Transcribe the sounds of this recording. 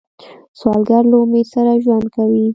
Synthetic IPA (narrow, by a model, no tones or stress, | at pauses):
swɑlɡaɾlaʊmeɾsaɾaʒwand̪kawi